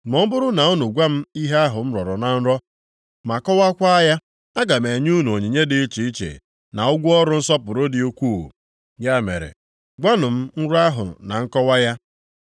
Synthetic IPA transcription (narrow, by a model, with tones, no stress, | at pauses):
mɔ˦m̩˦bʊ˦ɾʊ˦na˨ʊ˦nʊ˨ɡʷa˦m̩˦i˦ɦe˦a˦ɦʊ˨m̩˦ɾɔ˨ɾɔ˨na˨n̩˦ɾɔ˦ | ma˨kɔ˦wa˦kʷa˦ja˦ | a˦ɡa˨me˨ɲ˦u˦n˨o˨ɲi˨ɲe˦dɪ˦t͡ʃi˨i˦t͡ʃḛ˨ | na˨ʊ˦ɡʷʊ˦ɔ˦ɾʊ˦n̩˦sɔ˦pʊ˨ɾʊ˦dɪ˨o˦kʷṵ˦˨ | ja˦˨mḛ˨ɾḛ˨ | ɡʷa˦nʊ˨m̩˦n̩˦ɾʊ˦a˦ɦʊ̰˨na˨ŋ̩˦kɔ˦wa˦ja˦